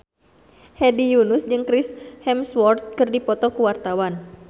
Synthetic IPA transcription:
hɛdijunʊsd͡ʒɨŋkɾɪshɛmswɔrt̪̚kɨrdipɔt̪ɔkuwart̪awan

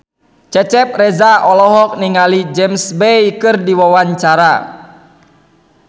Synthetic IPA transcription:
t͡ʃɛt͡ʃɛp̚rɛzaʔɔlɔɦɔk̚niŋalid͡ʒɛmsbejkɨrdiwawaɲt͡ʃaɾa

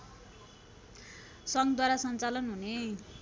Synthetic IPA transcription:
sʌŋɡd̪waɾasʌnt͡salʌnɦune

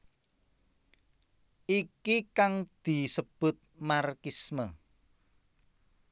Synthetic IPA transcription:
ʔikikaŋd̪̥i̤səb̥ʊ̤t̪̚markismə

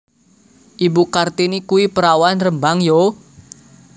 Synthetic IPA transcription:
ʔibukart̪inikuwipəɾawanrəmbaŋjo

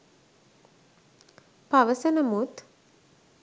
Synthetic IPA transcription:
paʋəsənəmut̪

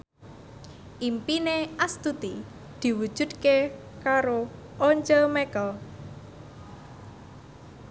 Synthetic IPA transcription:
ʔimpineʔast̪ud̪i | d̪̥i̤wu̥ʒ̥ṳd̪̚ke | kaɾo | oɲd͡ʒəlmɛkɔ

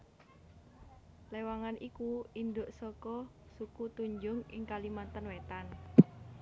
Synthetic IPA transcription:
lewaŋanikuinɖoʔsɔkɔ | sukut̪uɲd͡ʒʊŋɪ̰ŋkalimant̪ənwet̪an

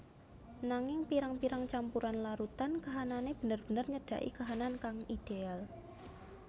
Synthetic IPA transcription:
naŋɪŋpiɾaŋpiɾaŋt͡ʃampuɾanlaɾut̪ankaɦananeb̥ə̤nərb̥ənərɲəɖ̥a̤̰ʔḭkaɦanankaŋid̥eal

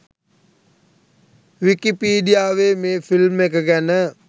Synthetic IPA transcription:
ʋikipiːɖijaːʋeːmeːfilmek̬əɡænə

